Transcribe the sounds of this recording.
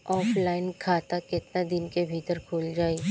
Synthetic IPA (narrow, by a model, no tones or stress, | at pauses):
ɔːfʰlaːɪnkʰaːt̪akɪt̪nad̪ɪnkebʱiːt̪əɾkʰoːld͡ʒaːi